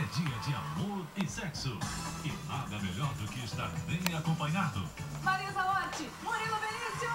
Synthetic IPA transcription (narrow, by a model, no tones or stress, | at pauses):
ɛd͡ʒiɐd͡ʒɪa̰moɾɪsɛksʊɪnãd̪ɐmeʎɔɾd̪ʊkɪɪst̪a̰ɾbẽj̃akõpɐɲad̪ʊ̰ | maɾĩzaɔt͡ʃɪmoɾilɐbelisjʊ